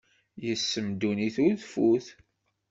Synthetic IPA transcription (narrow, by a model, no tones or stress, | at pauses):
jəsːəmd̪uniθuðfuθ